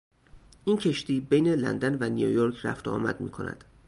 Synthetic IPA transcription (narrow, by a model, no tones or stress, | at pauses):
ʔincʰe̞ʃt̪iːbejnelæ̰nd̪ænvænijojoɾkʰræ̰ft̪oɒ̰ːmæ̰d̪̚mḭːkʰo̞̰næ̰d̪̥